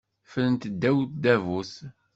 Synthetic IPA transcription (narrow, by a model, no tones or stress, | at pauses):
fələnt̪əd̪ːæwt̪d̪ævus